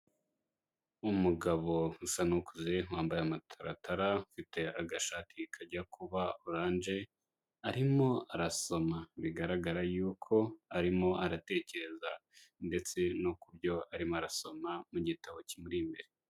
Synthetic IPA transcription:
umuɡaβo̞husanokuzewaːmbajeamatʰaɾa̰tʰaɾaufite̞aɡaʃaːtʰikʰaɟakuβauuɾaːnd͡ʒe̞ | aɾimo̞aɾaso̞maβiɡaɾaɡaɾajuːkʰo̞aɾimo̞ʔaɾate̞ːce̞ɾe̞zande̞t͡se̞nokubɟo̞aɾimoaɾaso̞mamuɟitaβo̞cimuɾimbe̞ɾe

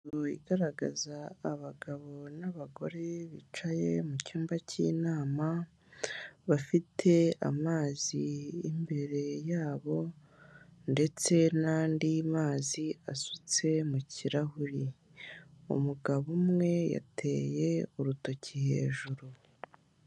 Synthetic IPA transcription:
oḭɡaɾaɡa̰zaːβaɡaβo̞naβaɡo̞ɾe̞βḭt͡ʃaje̞mucuːmbacḭnaːma | βafitʰe̞a̰maːziːmbe̞ɾe̞jaːβo̞ | nde̞t͡se̞naːndimaːziasut͡se̞muciɾahuɾi | ṵmuɡaβumŋe̞ja̰tʰe̞ːjeuɾuto̞cihe̞̰ːʒuɾu

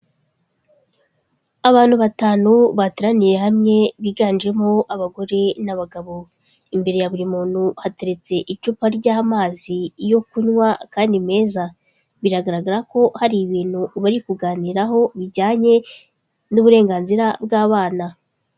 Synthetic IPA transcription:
aβaːnhuβataːnuβatiɾanije̞hamɲe̞βiːɡaːnd͡ʒe̞moʔaβaɡo̞ɾe̞naβaɡaβo̞ | imbe̞ɾe̞jaβuɾimuːnhuhate̞ɾe̞t͡se̞ʔit͡ʃupaɾɟaːmaːzijo̞kuɲŋwakaːndime̞ːza | βiɾaɡaɾaɡaɾako̞haɾiβiːn̥huβaɾikuɡaːniɾaɦo̞βiɟaːɲe̞ | nuβuɾe̞ːŋɡaːnziɾab̚ɡaːβaːna

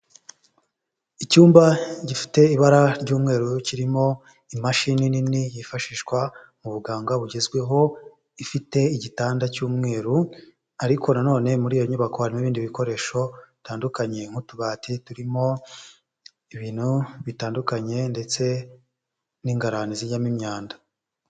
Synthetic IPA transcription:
icuːmbaɟifi̥te̞iβaɾaɾɟuːmŋe̞ːɾuciɾimo̞ | imaʃinininijifaʃiʃkwa | muβuɡaːŋɡaβuɟe̞zɡwe̞ɦo̞ | ifite̞iɟitaːndacuːmŋe̞ːɾu | aɾiko̞nano̞ːne̞muɾijoɲuβakoaɾmiβiːndiβiko̞ɾe̞ʃo̞taːndukaɲe̞ŋ̥hutuβaːtituɾimo̞ | iβiːn̥huβitaːndukaɲe̞nde̞t͡se̞ | niːŋɡaɾaniziɲamimɲaːndḁ

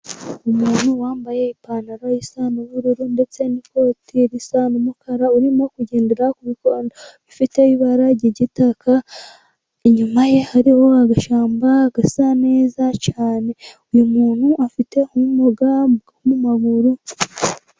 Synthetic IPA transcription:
umuːn̥huwaːmbaje̞ipaːnaɾajisaːnuβuɾuɾunde̞t͡se̞nikotʰeɾisaːnumukʰaɾauɾimokuɟe̞ːndeɾakuβiko̞ːndoβifiteβiβaɾaɟiɟitakʰa | eɲumaje̞haɾiho̞aɡaʃaːmbaɡasaneːzacaːne̞ujumuːn̥huafite̞omumuɡaomumaɡuɾu

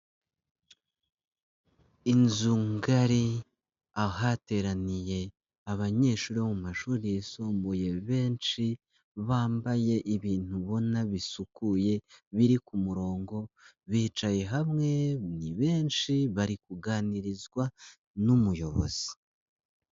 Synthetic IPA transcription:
inzuŋɡaɾi | aɦate̞ɾanije̞ | aβaɲe̞ːʃuːɾimumaʃuːɾijesoːmboje̞βe̞ːnʃi | βaːmbaje̞ʔiβiːn̥uβo̞naβisukuje̞βiɾikumuɾo̞ːŋɡo̞βiːt͡ʃaje̞ɦamŋe̞niβe̞ːnʃiβaɾikuɡaːniɾizɡwa | numujo̞βo̞̰z̥i̥

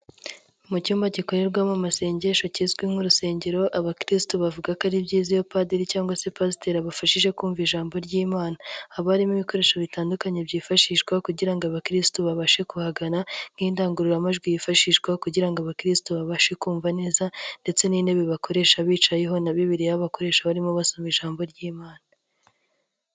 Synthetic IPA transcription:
mucuːmbaɟiko̞ɾe̞ɾɡwamumase̞ːɲɟe̞ʃocizɡwiŋhuɾuse̞ːɲɟe̞ɾo̞ʔaβakɾistoβavuɡakaɾibɟiːzijo̞padiɾicaːŋɡwase̞pasi̥teɾaβafaʃiʒe̞kuːɱviʒaːmbo̞ɾɟiːmaːnaːβaɾimiβiko̞ɾe̞ːʃaβitaːndukaɲe̞bɟiːfaʃiʃɡwakuɟiɾaŋɡoaβakɾistoβaβaʃe̞kuhaɡanaŋɡiːndaːŋɡuɾuɾamaʒɡwijifaʃiːʃɡwakuɟiɾaŋɡoaβakɾistoβaβaʃe̞kuːɱvane̞ːzande̞t͡se̞niːne̞βeβako̞ɾe̞ːʃaβiːt͡ʃajeɦo̞naβiβiɾijaβako̞ɾe̞ːʃaβaɾimoβasomiʒaːmbo̞ɾɟiːmaːna

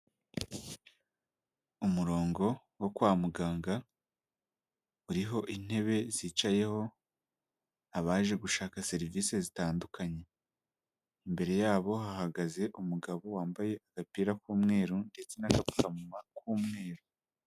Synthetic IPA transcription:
umuɾo̞ːŋɡo̞ | wokwaːmuɡaːŋɡa | uɾiɦo̞ʔin̥e̞βe̞ziːt͡ʃaje̞ho̞ | aβaːʒe̞ɡuʃaːkase̞ɾiviːse̞zitaːndukaɲe̞ | imbe̞ɾe̞jaːβo̞ɦahaɡaze̞ʔumuɡaβo̞waːmbaje̞ʔaɡ̥apiːɾakuːmŋe̞ːɾunde̞t͡se̞nakapu̥kamumakuːmŋe̞ːɾo

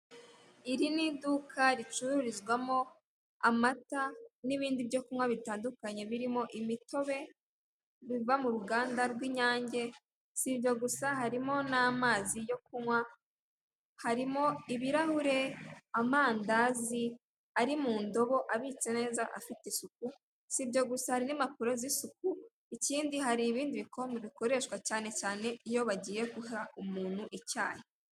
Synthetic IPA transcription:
iɾinidukʰaɾit͡ʃuɾuɾizɡwamo̞ | amataniβiːndibjo̞kumwaβitaːndukaɲe̞βiɾimo̞ʔimito̞βe̞ | βivamuɾuɡaːndaɾɡwiːɲaːɲɟe̞ | siβjo̞ɡusaɦaɾimo̞namaːzijo̞k̚umŋwa | haɾimo̞iβiɾahuɾe̞amaːndazi | aɾimuːndo̞βo̞ʔaβit͡se̞ne̞ːzaʔa̰fiteisuk̚u | sibɟo̞ɡusahaɾinimapuɾezisuku | iciːndiɦaɾiːβiːndiβiko̞meβiko̞ɾe̞ːʃwacaːne̞caːne̞ijo̞βaɟiːje̞kuhaumuːn̥huʔica̰ːje

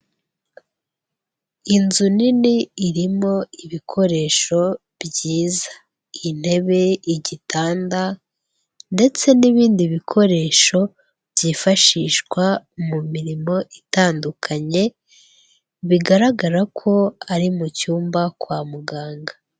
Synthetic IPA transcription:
inzuniniːɾimo̞iβikʰo̞ɾe̞ːʃo̞ | bɟiːzḁ | in̥he̞βe̞iɟitʰaːnda | nde̞t͡se̞niβiːndiβikʰo̞ɾe̞ːʃo̞ | bɟiːfaʃiːʃkwamumiɾimo̞ʔitaːndukʰaɲe̞ | βiɡaɾaɡaɾakʰo̞aɾimucuːmbakwaːmuɡaːŋɡa

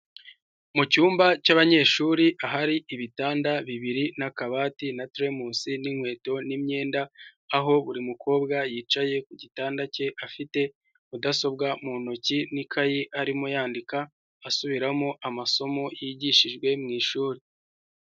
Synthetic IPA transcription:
mucuːmbacaβaɲe̞ːʃuːɾiʔaɦaɾiʔiβitaːndaβiβiɾinakaβaːtinatɾemuːsiniŋhwe̞ːto̞nimɲe̞ːndaːɦo̞βuɾimukʰo̞ːbɡajiːt͡ʃaje̞kuɟitaːndace̞ʔafite̞ | udaso̞b̚ɡamunocinikʰajiʔaɾimojaːndikaː | suβiɾamoʔamaso̞mo̞jiɟiʃiʒɡwe̞mŋiːʃuːɾi

